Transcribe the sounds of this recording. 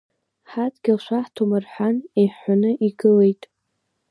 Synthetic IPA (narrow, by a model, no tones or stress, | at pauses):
ħatɡʲɪlʃʷaħtʰomɨrħʷᶣanejħːʷanɨʔiɡɨlejtʼ